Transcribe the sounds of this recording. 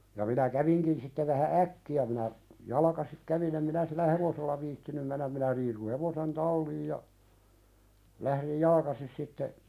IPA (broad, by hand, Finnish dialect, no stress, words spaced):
jɑ minæ kæʋiŋkin sitːe ʋæhæ ʔækːiæ minæ jɑlɑkɑsik kæʋin em minæ silːæ heʋoselːɑ ʋiːtːinym menːæm minæ riːsu heʋosen tɑlːiːj jɑ læhɾij jɑlkɑsis sitːe